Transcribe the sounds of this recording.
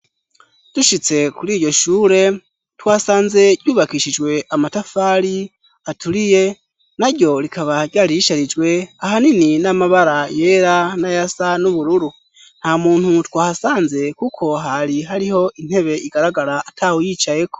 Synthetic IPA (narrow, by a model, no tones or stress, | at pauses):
d̥uʃit͡se̞kuɾiːɾɟo̞ʃuːɾe̞ | twaːsaːnze̞ɟjuːβakiʃid͡ʒwe̞ʔamatafaːɾi | atulije̞ | naɾjo̞ɾikʰaβaɾɟjaːɾiiʃaɾid͡ʒɡwe̞aɦanininamaβaɾaje̞ːɾanajasanuβuɾuɾu | n̥hamuːn̥hutwaːhasaːnze̞kukʰo̞ɦaɾiɦaɾiho̞ʔin̥he̞βe̞ʔiɡaɾaɡaɾaʔːtʰawujiːt͡ʃaje̞ko̞̥